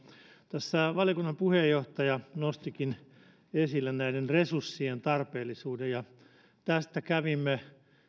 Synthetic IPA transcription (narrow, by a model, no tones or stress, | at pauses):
t̪æsːæʋɑljokunːɑmpuhejːoht̪ɑjɑnost̪ikin | esilːennæidenresursːient̪ɑrpeːlːisuːdejjɑ | t̪æst̪ækæʋimːe